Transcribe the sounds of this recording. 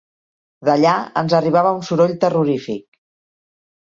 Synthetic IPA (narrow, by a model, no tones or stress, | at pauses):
d̪əʎaə̰nzəriβ̞aβəunsuɾoʎt̪əruɾifik̚